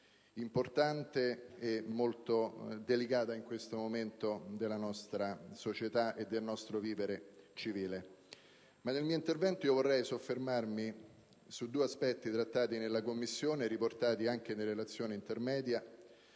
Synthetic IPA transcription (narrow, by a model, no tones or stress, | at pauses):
import̪ant̪eːmːolt̪od̪elikaːt̪aiŋkwest̪omoment̪od̪elːanɔst̪ɾasot͡ʃet̪aʔed̪ːelnɔst̪ɾoviːveɾet͡ʃiviːle | manːelmiːoint̪ervɛnt̪oijovorːɛjsofːermarmi | sud̪ːuːeaspɛt̪ːit̪ɾat̪ːaːt̪inelːakomːisːjoːneɾiport̪aːt̪iaŋk̟enelːelat̪sːjoːnint̪ermɛːd̪ja